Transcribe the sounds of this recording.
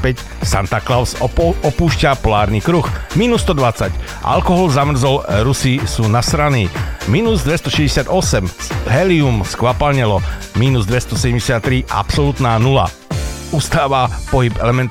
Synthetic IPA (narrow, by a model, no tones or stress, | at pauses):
pɛc | sant̪aklaʊsɔpuːʃcapɔlaːɾniːkɾuxmiːnusːt̪ɔd̪ʋat͡sacʔa̰lkɔɦɔlzamr̩zɔlɾusisuːnasɾaniːmiːnuzd̪ʋɛst̪ɔʃɛzɟɛsɪad̪ɔsɛmɦɛliumskʋapalɲɛlɔ | miːnuzd̪ʋɛst̪ɔsɛɟɛmɟɛsɪat̪ːɾiʔa̰psɔlut̪naːnula̰ | ust̪aːʋapɔɦibɛ̰lɛmɛnt̪